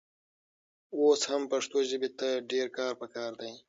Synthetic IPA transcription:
oːshɐmpɐʂt̪oːʑibit̪ɐɖeːɾkaːɾpɐkaːɾd̪ɐ̃ĩ

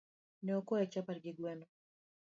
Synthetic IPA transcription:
nɛɔkɔjat͡ʃapaɾɡiɡwɛnɔ

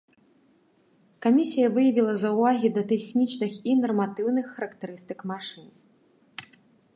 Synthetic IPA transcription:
kamʲisʲijɐvɨjɐvʲilˠɐzɐwvaɣʲid̪ɐt̪ɛxnʲit͡ʂnɨxinɐrmat̪ɨwnɨxːɐɾɐkt̪ɛɾɨst̪ɨkmaʂɨn

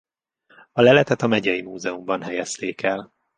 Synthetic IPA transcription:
ɒlɛlɛt̪ɛt̪ɒmɛɟɛjimuːzɛumbɒnɦɛjɛst̪eːkɛl

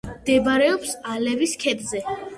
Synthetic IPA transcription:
md̪ɛbaɾɛɔpsalɛviskʰɛd̪zɛ

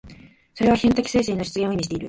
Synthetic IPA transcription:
so̞ɾe̞β̞açẽnt̪akʲi̥se̞ːs̬eːnoɕi̥t͡sɨɡʲẽoimiɕit̪e̞iɾɯ̟

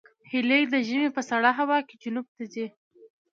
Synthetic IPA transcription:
hilejd̪əʒəmepəsaɽaɦawɑked͡ʒʊnub̚t̪azi

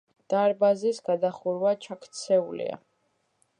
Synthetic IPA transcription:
d̪̥aɾbazisɡad̪aχuɾwat͡ʃʰakʰt̪sʰɛulḭa̰

